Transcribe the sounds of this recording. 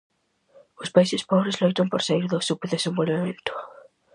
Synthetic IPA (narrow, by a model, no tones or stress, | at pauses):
ʊspaisɪspɔβɾezlojt̪ɐmpoɾsaiɾðʊsupeðesẽmbolβemẽnt̪ʊ̥